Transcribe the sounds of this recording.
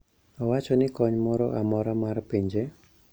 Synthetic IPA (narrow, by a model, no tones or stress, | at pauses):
ɔwat͡ʃɔnɪkɔɲmɔɾɔʔamɔɾamarpiɲd͡ʒe